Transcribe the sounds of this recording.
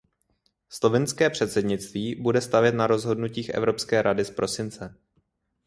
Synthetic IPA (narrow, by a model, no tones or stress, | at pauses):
slo̞vɪnskɛːpr̝̥ɛt̪sɛdɲɪt͡st̪viːbudɛst̪avjɛt̪naɾo̞zɦo̞dnuciːxʔɛ̰vɾo̞pskɛːɾʔadɪspɾʔo̞sɪnt͡sɛ